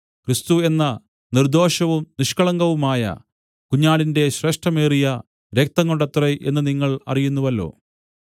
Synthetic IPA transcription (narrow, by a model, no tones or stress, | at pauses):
krist̪ue̞nːɐ | nird̪o̞ːɕɐʋumniʂkɐɭɐŋɡɐʋumaːjɐ̰ | kuɲːaːɭinde̞ɕre̞ːʂʈɐmeːrijɐ | ɾe̞k̚t̪ɐŋːoɳɖɐt̪reʔe̞nːɨniŋːɐɭɐ̰rijunːuʋɐlːo̞̰ː